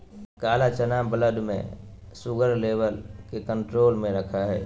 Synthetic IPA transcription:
kaːlat͡ʃənaːmbələd̪mḛ̃sʊɡəɾleːʋəlkekə̃ɳʈɾoːlmẽɾəkʰaɦɛː

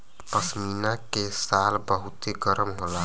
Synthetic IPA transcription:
pəsminakesalbəɦut̪eɡəɾmɦola

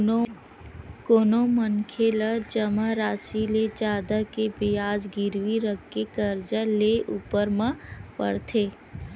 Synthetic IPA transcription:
koːnomənkʰelad͡ʒəmaɾaːsiled͡ʒaːd̪akebɪjaːd͡ʒɡɪɾʋiɾəkːekəɾd͡ʒaleʔuːpəɾmãpə̰ɽt̪ʰeː

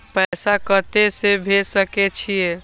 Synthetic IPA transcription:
pəsakət̪esebʱesəket͡ʃʰije

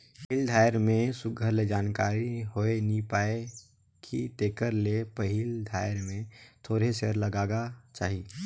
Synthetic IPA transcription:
pild̪ʱaːjɾmẽsʊɡʱəɾled͡ʒaːnkaːɾiɦoːenipaːe | kʰit̪eːkəɾlepəɦild̪ʱaːjɾmẽt̪ʰoːɾeseɾləɡaːɡat͡ʃa̰ːɦiː

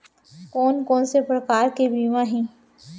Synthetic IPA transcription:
kɔːnkɔːnsepɾkaːɾkebiːmãɦĩː

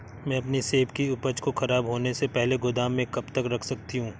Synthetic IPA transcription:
mɛ̃ːɐpniseːbkiʊpət͡ʃkoxɐɾaːbɦoːnesepɛɦleɡʊd̪aːmːẽkɐbt̪ɐkɾɐkʰsɐk̚t̪iɦũː

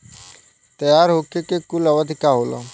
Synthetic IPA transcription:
t̪əjaːɾɦokekekuləʋəd̪ʱikaɦoːlɔ̰

